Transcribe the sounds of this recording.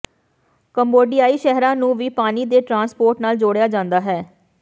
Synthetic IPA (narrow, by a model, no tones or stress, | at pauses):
kəmboːɖijaːiːʃɛɦɾãːnũːʋiːpaːniːd̪eːʈɾãːnspoːɾʈnaːld͡ʒoːɽejaːd͡ʒãːnd̪aːɦɛː